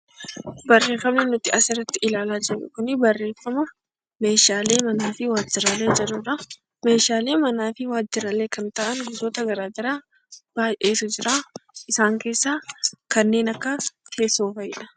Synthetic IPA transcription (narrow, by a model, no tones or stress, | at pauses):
bɐrːe̞ːfɐmnɛnʊt̪ɪʔɐsɪrːɐt̪ːɪʔɪlaːlaːd͡ʒɛrːʊ̰kʊnɪbɐrːe̞ːfɐmɐ | me̞ːʃaːle̞ːmɐnaːfɪwaːd͡ʒːɪɾale̞ːd͡ʒɐᶑʊɾɐ | me̞ːʃaːle̞ːmɐnaːfɪwaːd͡ʒːɪɾɐle̞ːkɐnt̪ɐʔɐnɡʊsoːt̪ɐɡɐɾaːd̪ɐɾaː | b̥aːjʔe̞ːsʊd͡ʒɪɾaːʔɪsaːŋke̞ːsːaːkɐnːe̞ːnɐkːɐt̪ʰe̞ːsoːfɐɪᶑɐ̥